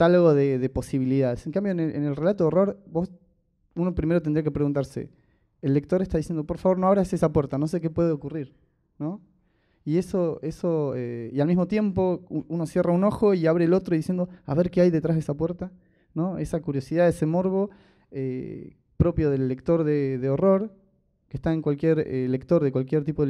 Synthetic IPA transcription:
t̪aloɣoðeðe̞po̞siβ̞iliðaðeseŋkambjoneʔḛnelre̞lat̪̬oero̞ɾbo̞s | uno̞pɾimeɾt̪end̪ɾijakepɾeɣunt̪aɾsḛː | lːek̚t̪o̞ɾest̪aðisjend̪o̞po̞ɾfaβoɾno̞aβɾasesapweɾt̪anos̬e̞k̬e̞pwe̞ðeo̞kuriɾ | no̞ | ie̞soesoḛialmizmo̞t̪je̞mpo̞uuno̞sje̞rauno̞xo̞iaβɾeːlo̞t̪ɾoiðisje̞nd̪o̞a̰βe̞ɾkeajðet̪ɾaɦðesapwe̞ɾt̪a | no̞esakuɾjosið̞aðese̞mo̞ɾβo̞ | ḛ | pɾo̞pjo̞ð̞e̞lːe̞kt̪o̞ɾðeðeo̞ro̞ɾ | kest̪aeŋkwalkje̞ɾḛle̞k̚t̪o̞ɾðekwalkjeɾt̪ipoe

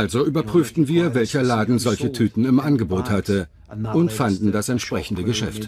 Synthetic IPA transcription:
ʔalzoʔyːbɐpʁ̥yːftn̩viːɐvɛlçɐlaːdn̩zɔlçətʰyːtn̩ɪmʔanɡəboːthatə | ʔʊntfandn̩dasɛntʃpʁ̥ɛçn̩dəɡəʃɛ̰ft

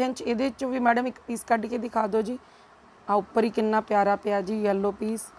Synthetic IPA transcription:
ə̃nt͡ʃeːd̪eːt͡ʃːt͡ʃõːʋiːmɛːɖəmɪkpiːskəɖkeːd̪ɪkʰaːd̪oːd͡ʒiː | aːʊpːəɾiːkɪnːaːpjaːɾaːpɪjaːd͡ʒiːjəlːoːpiːs

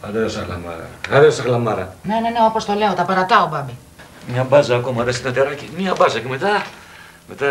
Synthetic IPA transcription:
ɐðeosɐxlɐ̰mɐ̰ɾɐ̰ɐðeosɐxlɐmɐɾɐ̰ne̞ne̞neopo̞st̪o̞le̞ot̪ɐpɐɾɐt̪ɐobɐbi | mɲɐbɐzɐːko̞mɐɾesit̪ɐt̪eɾɐcimiɐbɐzɐceme̞t̪ɐ | me̞t̪ɐ

